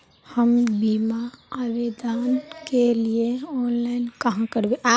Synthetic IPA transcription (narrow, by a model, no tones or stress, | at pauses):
həmbimaabed̪ankelieɔnlaɪnkəɦãkəɾbeʔa